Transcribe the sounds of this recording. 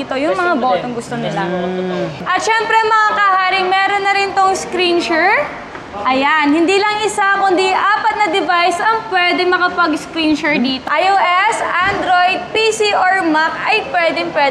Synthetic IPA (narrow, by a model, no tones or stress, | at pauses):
iːt̪ojʊŋmɐŋaboːt̪oŋɡʊst̪onɪla | ʔɐt̪ʃɛmpɾɛɐŋmɐŋakɐhaːɾɪŋmɛːɾonːɐɾɪnt̪oŋskɾinʃɛɹ | ʔɐjanhɪnd̪iːlɐŋɪsakʊnd̪iʔaːpɐt̪̚nɐd̪ɛvajsɐŋpwɛːd̪ɛŋmɐkɐpɐɡskɾinʃɛɹd̪iːt̪oʔajoʔɛsʔand̪ɾojd̪̚pisiʔoɹmakɐjpwɛːd̪ɛŋpwɛd̪